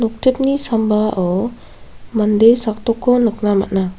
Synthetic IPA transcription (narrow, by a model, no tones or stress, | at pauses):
nɔk̚tip̚nisambaʔɔ | mandesak̚t̪ɔkɔnəknama̰ʔna